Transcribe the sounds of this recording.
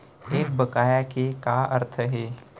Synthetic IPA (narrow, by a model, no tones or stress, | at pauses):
eːk̚bəkaːjakekaə̰ɾt̪ʰəɦɛː